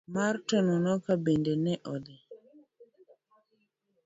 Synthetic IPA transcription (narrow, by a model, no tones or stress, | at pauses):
maɾtɔnɔnɔkabendɛnɛʔɔd̪ɛ